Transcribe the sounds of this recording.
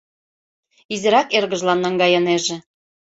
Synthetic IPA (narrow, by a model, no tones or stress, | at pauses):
izɘ̆ɾɑkerɣə̆ʒlɑnːɑŋɡɑjɤneʒĕ